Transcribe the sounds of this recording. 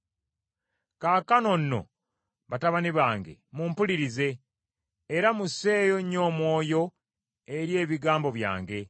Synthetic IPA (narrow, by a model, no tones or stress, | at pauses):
kakano̞nːo̞̰ | βataβaniβaːŋɡe̞̰muːmpuliɾize̞ː | ɾamuse̞ːjoɲːo̞ːmwo̞ːjo̞ | e̞ɾje̞ːβiɡaːmbo̞βja̰ːŋɡe̞